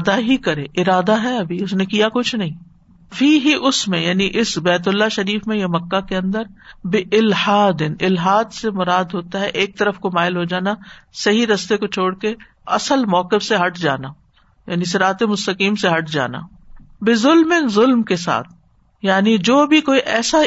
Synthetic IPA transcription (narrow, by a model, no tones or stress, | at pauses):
d̪aɦikɐɾeːʔɪɾaːd̪aɦɛɐbʱiʊsnẽkijakʊt͡ʃʰnɐɦĩː | fiːɦiʔʊsmẽjaːniʔɪsbɛːt̪̬ʊlːaʃɐɾiːfmẽjemɐkːakeɐ̃nd̪əɾbɪʔɪlhaːd̪ɪnɪlɦaːd̪semʊɾaːd̪ɦoːt̪aɦɛʔeːk̚t̪ɐɾəfkomaːɪlɦod͡ʒaːnasɐɦiɾɐst̪ekot͡ʃʰoːɽke | ɐsəlmɔːqɪfseɦɐʈʰd͡ʒa̰ːna | jaːnisɪɾaːt̪emʊst̪ɐqiːmseɦɐʈʰd͡ʒa̰ːna̰ː | bɪzʊlmɪnzʊlmkesa̰ːt̪ʰ | jaːnid͡ʒoːbʱikoːiʔɛːsa